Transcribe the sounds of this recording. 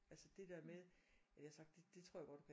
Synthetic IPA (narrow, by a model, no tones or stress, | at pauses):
ʔælsəd̥e̝d̥eɐ̰meðˠæjɑhɑsɑ̈ɡ̥̚d̥ed̥e̝t͡sʰʁo̰ɐ̰jɡɒ̽d̥d̥u̥kʰæ